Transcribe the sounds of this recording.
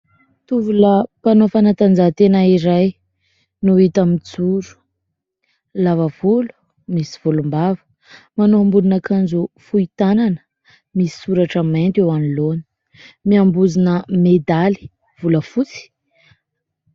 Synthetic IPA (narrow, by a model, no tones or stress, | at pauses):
t̪uvulapanofanat̪and͡zat̪enaiɾaj | nuit̪amit͡suɾu̥ | lavəv̥ulu̥ | misi̥v̥ulumbavə̥ | manoambulunakʰanzufuit̪ananə̥ | misi̥suɾaʈ͡ʂəment̪ewaniloni̥ | miambuzinəmed̪ali̥ | v̥uləfut͡si̥